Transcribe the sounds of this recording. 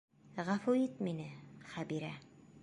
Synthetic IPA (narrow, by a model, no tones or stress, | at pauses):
ʁafuit̪minɘχæbiɾæ